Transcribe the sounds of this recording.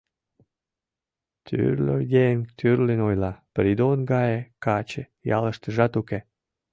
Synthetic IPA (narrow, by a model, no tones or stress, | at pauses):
t̪ʰy̰rlʲo̰jent̪ʰyrlenojlɑpɾid̪onɡɑjekɑt͡ɕe | jɑ̰ləʃt̪əʒɑt̪uke